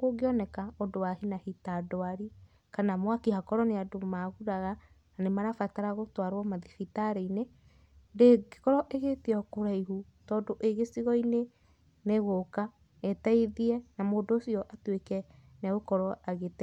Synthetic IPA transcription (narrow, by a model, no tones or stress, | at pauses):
oɡeɔnɛkaɔdowahinahitadɔaɾi | kanamwakihakɔɾɔneadomaɣuɾaɣa | anemaɾafataɾaɣotwaɾwɔmaðifitaɾeine | deɡe̥kɔɾɔʔeɣeteɔkoɾaiɦu | tɔːdoʔeɣesiɣɔine | neɣoka | ɛtaeðiɛnamoːdoːsiɔʔatwekɛnɛɣokɔɾɔʔaɣetɛ